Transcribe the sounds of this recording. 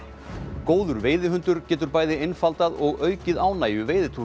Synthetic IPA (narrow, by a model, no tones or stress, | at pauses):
koːwðʏɾveːjðɪɦʏnt̪ʏɾcɛːt̪ʏɾpaːjðɪejnfalt̪aðɔɣœːɥcɪðaːwnaːjʏveːjðɪt̪ʰu